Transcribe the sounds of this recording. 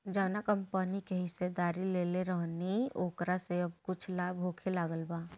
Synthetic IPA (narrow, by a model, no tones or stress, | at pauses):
d͡ʒaːnakɐmpənikeɦɪsed̪aːɾileːleɾəɦnioːkɾaseɐb̚kʊt͡ʃʰlaːbʱɦoːkʰelaːɡəlbaː